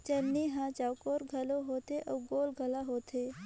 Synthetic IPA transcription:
t͡ʃənniɦãt͡ʃawkoːɾɡʱɐloɦoːt̪eʔɐwɡoːlɡʱɐlaɦoːt̪ʰe

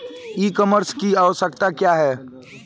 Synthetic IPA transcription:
iːkɔməɾskiaʋəsəkt̪akjaːɦɛː

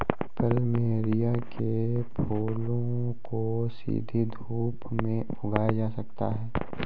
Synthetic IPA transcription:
pəlmeːɾijakʰepʰoːlõ | ko | sḭːd̪ʱid̪ʱuːp | mẽ | ʊɡaːjad͡ʒaːsɐkt̪a̰ɦɛː

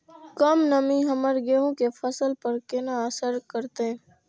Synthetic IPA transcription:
kəmnəmiɦəməɾɡeːɦõkefʰəsəlpəɾkɪnaəsəɾkəɾt̪ẽ

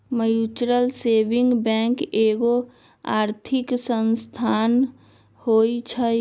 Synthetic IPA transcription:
məjut͡ʃɾəlsebiŋɡbɛ̃ŋkeɡo | a̰ɾt̪ʰiksənst̪ʰan | hojt͡ʃʰə

